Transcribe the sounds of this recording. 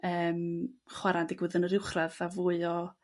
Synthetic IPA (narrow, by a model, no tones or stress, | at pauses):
əːmχwaɾandɪɡwɨðənəɾɪwχraðavuːɨɔ